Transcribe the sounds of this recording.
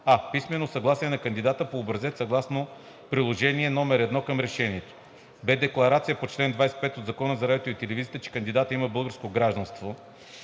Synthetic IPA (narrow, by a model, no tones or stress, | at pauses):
apismɛnosɐɡlˠasiɛnɐkɐnd̪id̪at̪əpoːbɾɐzɛt̪sɐɡlˠasno | pɾilˠoʒɛniɛnɔmɛɾɛd̪nɔkɐmɾɛʃɛniɛt̪o̥ | bɛd̪ɛklˠɐɾat̪sijəpot͡ʃlɛnd̪vajsɛ̥t̪̚pɛt̪od̪zɐkɔnəzɐɾajot̪oit̪ɛlɛvizijət̪ət͡ʃɛ̥kɐnd̪id̪at̪əiməbɤlˠɡəɾskoɡɾaʒd̪ɐnst̪vo